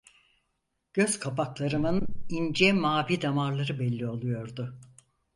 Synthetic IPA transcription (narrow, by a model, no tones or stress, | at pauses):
ɟ̥ø̞z̥kʰapʰaklˠaɾɯmɯnind͡ʒɛmaːbid̪amaɾlˠaɾɯbɛlʲːio̞lˠujo̞ɾd̪ʊ